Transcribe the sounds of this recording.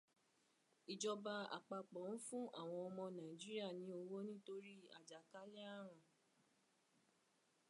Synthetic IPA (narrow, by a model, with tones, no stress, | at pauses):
i˨d͡ʒɔ˧ba˧a̰˨k͡pa˧k͡pɔ˨˦n̩˦fũ˦ʔa̰˦˨w̃ɔ̃˧ɔ˧mɔ̃˧nã˨i˨d͡ʒi˦ɾi˦a˦˨nĩ˨˦o˧wo˦nĩ˦to˧ɾi˦a̰˨d͡ʒa˨ka˨˦lɛ˦a˦ɾ̃ã˧˨